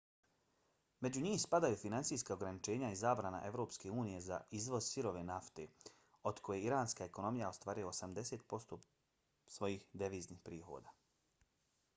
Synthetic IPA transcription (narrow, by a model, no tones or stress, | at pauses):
me̞d͡ʑuɲiːmspad̪ajufinansiːskao̞ɡɾanit͡ʃe̞ːɲaizaːbɾana̰ʔe̞ʋɾo̞ːpske̞uːnije̞za̰izʋo̞z̥siɾo̞ʋe̞naft̪e̞̰ | o̞d̪kʰo̞jeiɾaːnskaeko̞no̞mijaost̪ʋaːɾijoosamd̪e̞se̞ːt̪po̞st̪oː | sʋo̞jiːxd̪eʋiːzniːxpɾiːxo̞̰ːd̪aː